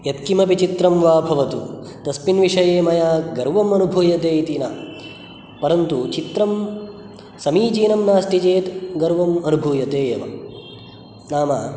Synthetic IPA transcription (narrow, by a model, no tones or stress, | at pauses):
jɐt̪kimɐpit͡ʃit̪ɾɐmʋaːbʱɐʋɐt̪ut̪ɐspinʋiʂɐjeːmɐjaːɡɐɾʋɐmɐnubʱuːjɐt̪eːit̪inaː | pɐɾɐnt̪ut͡ʃit̪ɾɐm | sɐmiːt͡ʃiːnɐmnaːsʈid͡ʒeːt̪ɡɐɾʋɐmɐnubʱuːjɐt̪eːjɐʋɐ̰ | naːma